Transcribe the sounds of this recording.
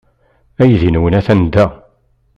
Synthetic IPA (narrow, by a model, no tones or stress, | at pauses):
æjðinwənæθænd̪æ